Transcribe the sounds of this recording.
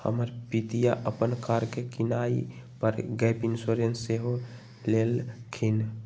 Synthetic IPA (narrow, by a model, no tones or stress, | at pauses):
hə̰məɾpit̪ijaʔəpənkaɾkekɪnaːḭ | pəɾɡɛpɪnsoɾensːeɦo | leːlkʰin